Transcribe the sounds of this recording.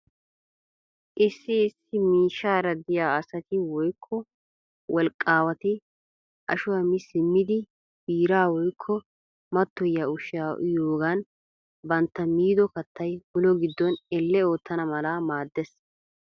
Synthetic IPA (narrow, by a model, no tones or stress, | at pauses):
ʔɪsːɪːsːɪmiːʃːaːɾɐd̪ɪjaːɐsɐt̪ɪwɔjkʰːɔ | wɔlkʼːaːwɐt̪ɪ | ʔɐ̰ʃʊhɐmɪsɪmːɪd̪ɪ | b̥iːɾaːwɔjkʰːɔ | mɐt̪ːɔjaːʊʃɪjaːjoːɡɐn | bɐnt̪ːɐmiːd̪ɔkɐt̪ʰːɐjbʊlɔɡɪd̪ːɔnɛlːɛo̞ːt̪ʰːɐnɐmɐlamaːd̪ːɛs